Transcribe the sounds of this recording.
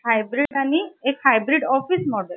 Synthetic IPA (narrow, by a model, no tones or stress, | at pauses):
hajbɾiɖaniekhajbɾiɖɔfismɔɽəl